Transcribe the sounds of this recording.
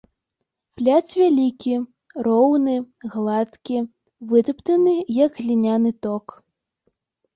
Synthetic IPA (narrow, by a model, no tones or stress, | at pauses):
plʲat͡s̪ʲvʲalʲikʲi | rɔwnɨ | ɣlˠat̪kʲi | vɨt̪ɨpt̪ɐnɨjɐɡɣlʲinʲanɨt̪ɔk